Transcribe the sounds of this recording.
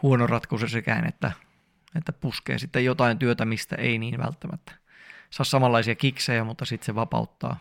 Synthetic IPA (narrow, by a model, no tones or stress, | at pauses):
huonorɑt̪kusesekæinḛt̪ːæ | et̪ːæpuskḛːsit̪ːejot̪ɑint̪yøt̪æmist̪æ̰einiːnʋæ̰lt̪ːæmæt̪ːæ̥ | sɑːssɑmɑlːɑisiɑkiksejæmut̪ːɑsit̪seʋɑpɑ̰ut̪ːɑ̰ː